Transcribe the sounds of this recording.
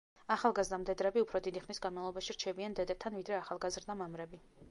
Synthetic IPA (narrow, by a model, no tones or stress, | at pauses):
aχalˠɡazɾd̪amd̪ɛd̪ɾɛbiupʰɾɔd̪id̪iχnisɡanmavlˠɔbaʃiɾt͡ʃʰɛbiand̪ɛd̪ɛp̚t̪ʰanvid̪ɾɛaχalˠɡazɾd̪amamɾɛbi